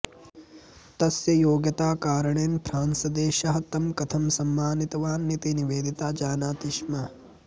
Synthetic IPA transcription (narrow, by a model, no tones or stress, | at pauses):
t̪ɐsjɐjoːɡjɐt̪aːkaːɾɐɳeːnpʰɾaːnsɐd̪eːʃɐɦɐt̪ɐmkɐt̪ʰɐmsɐmːaːnit̪ɐʋaːnːit̪iniʋeːd̪it̪aːd͡ʒaːnaːt̪iʃmɐ